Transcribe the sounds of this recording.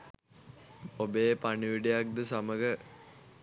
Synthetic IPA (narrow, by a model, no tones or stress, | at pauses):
obepaɳiʋiɖijak̚d̪ɨsaməɡə